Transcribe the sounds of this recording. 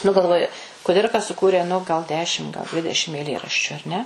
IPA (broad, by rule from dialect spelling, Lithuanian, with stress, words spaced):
nʊ ɡɐlˠˈʋoːjʊ kʊˈdʲɪrkɐ sʊˈkuːrʲeː nʊ ɡɐlˠ ˈdʲæːʃʲɪm ɡɐlˠ ˈdʲʋʲɪdʲɛʃʲɪm ɛɪˈlʲeːrɐʃʲt͡ʃʲʊ ɐr ˈnʲɛ